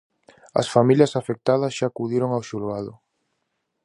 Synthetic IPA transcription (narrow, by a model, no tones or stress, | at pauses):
ɐ̰sfamiljɐsafek̚t̪að̞ɐsʃaːkuðiɾoŋawʃulɣaðʊ